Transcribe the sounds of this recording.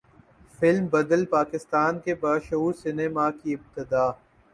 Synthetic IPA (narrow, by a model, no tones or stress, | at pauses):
fɪlmbɐd̪əlpaːkɪst̪aːnkebaːʃuːɾsɪneːmakiɪb̚t̪ɪd̪aː